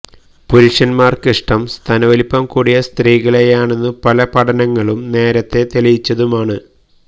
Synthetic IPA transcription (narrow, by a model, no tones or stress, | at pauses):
puɾuʂɐnmaːrkiʂʈɐmst̪ʰɐnɐʋɐlipːɐmkuːɽijɐst̪riːɣɐɭejaːɳe̞nːɨpɐlɐpɐʈɐnɐŋːɐɭumne̞ːɾɐt̪ːe̞t̪elɐjit͡ɕːɐðumaːɳɨ